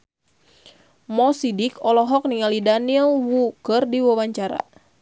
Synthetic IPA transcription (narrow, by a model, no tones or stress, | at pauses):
mɔsidikɔlɔɦɔk̚niŋalidanilwukɨrdiwawaɲt͡ʃaɾa̰